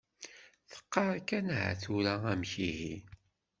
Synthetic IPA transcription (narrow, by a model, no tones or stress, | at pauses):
θə̥qːɑɾˤkænɦæ̰θuɾææmçiɦi